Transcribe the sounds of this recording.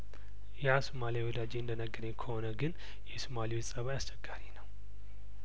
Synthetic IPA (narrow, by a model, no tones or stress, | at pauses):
jasumalijawɔd̪ad͡ʒeɨnd̪ənəɡːəɾɲekʰəhonəɡɨn | jɛsumaliwesʼəβajast͡ʃɛɡːaɾinəw